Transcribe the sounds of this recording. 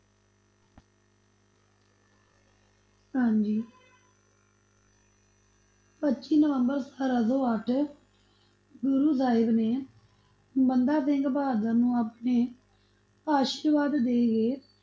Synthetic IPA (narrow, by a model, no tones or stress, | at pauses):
ɦãːnd͡ʒiː | pətːt͡ʃiːnəʋəmbəɾsaːɾaːsoːəʈʰ | ɡʊɾuːzaːɪbneː | bənd̪aːsɪŋɡbaːd̪ãːnũːaːpɳeː | aːʃiːɾʋaːd̪ːeːɡeː